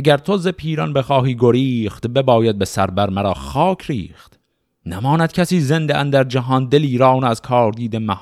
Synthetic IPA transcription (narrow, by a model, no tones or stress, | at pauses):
æɡʲæɾt̪ʰozepʰiːɾɒnbexɒːhiːɡoɾiːχt̪bebɒːjæd̪̚be̞sæɾbæɾmæɾɒːxɒːkʰɾiːxt̪ | næmɒːnæd̪̚cʰʲæsiːzend̪eʔænd̪æɾd͡ʒæɦɒːnd̪eliːɾɒːwnæzkʰɒːɾd̪iːd̪emæh